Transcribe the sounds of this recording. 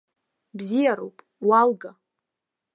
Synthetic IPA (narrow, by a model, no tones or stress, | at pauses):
bzijaɾowpʼ | walɡa